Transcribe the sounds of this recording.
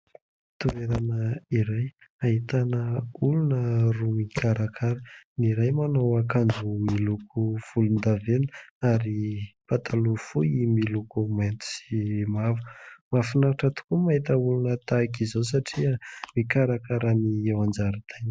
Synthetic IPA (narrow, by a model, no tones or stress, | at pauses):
t̪ueɾanəiɾaj | aɦit̪anəulunərumikʰaɾakʰaɾəniɾajmanowakand͡ʒumilukʰuv̥ulund̪avenaɾipat̪ʰalufuimilukument̪u̥simavumafinaɾaʈ͡ʂat̪u̥kumaɦit̪əulunət̪akizos̬aʈ͡ʂiamikaɾakaɾaniewand͡ʒaɾit̪ʰajn